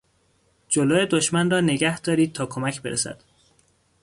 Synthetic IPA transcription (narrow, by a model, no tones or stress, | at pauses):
d͡ʒoloːje̞d̪oʃmænrɒːneɡæhd̪ɒːɾiːd̪̚t̪ʰɒːkʰomæcʰbe̞ɾḛsæ̰d̪̥